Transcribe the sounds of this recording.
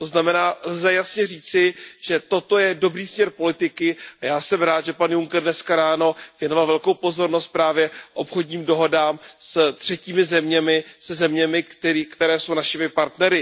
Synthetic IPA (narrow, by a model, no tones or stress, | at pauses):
t̪o̞znamɛnaːlzɛjasɲɛriːt͡sɪʒ̥ɛt̪o̞t̪o̞jɛdo̞bɾiːsmɲɛɾpo̞lɪt̪ɪkɪʔajaːsɛmɾaːt̪ʒɛpanjuŋkɛrdnɛskaɾaːno̞vjɛno̞valvɛlkowpo̞zo̞ɾnost̪̚pɾaːvjɛʔopxo̞dɲiːmdo̞ɦo̞daːmst̪r̝̥ɛciːmɪzɛmɲɛmɪsɛzɛmɲɛmɪt̪ikt̪ɛɾɛːso̞wnaʃɪmɪpaɾt̪nɛɾɪ